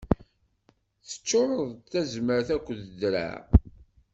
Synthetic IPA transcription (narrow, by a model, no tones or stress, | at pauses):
θə̥t͡ʃːoɾˤəðˤθæzməɾθækʷːəðədɾa̰